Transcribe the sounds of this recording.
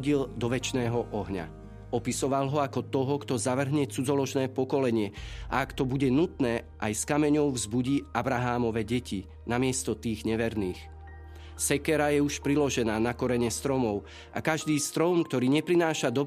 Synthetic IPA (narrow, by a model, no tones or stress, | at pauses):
ɟild̪ɔʋɛt͡ʃnɛːɦɔʔɔɦɲa̰ | ɔpisɔʋalɦɔakɔt̪ɔɦɔkt̪ɔzaʋr̩ɦɲɛt͡sud͡zɔlɔʒnɛːpɔkɔlɛɲɪɛʔa̰akt̪ɔbuɟɛnut̪nɛːʔajskamɛɲɔʊvzbuɟiːabɾaɦaːmɔʋɛɟɛci | namɪɛst̪ɔt̪iːɣɲɛʋɛɾniːx | sɛkɛɾajɛuʃpɾilɔʒɛnaːnakɔɾɛɲɛst̪ɾɔmɔʊ | ʔakaʒd̪iːst̪ɾɔmkt̪ɔɾiːɲɛpɾinaːʃad̪ɔ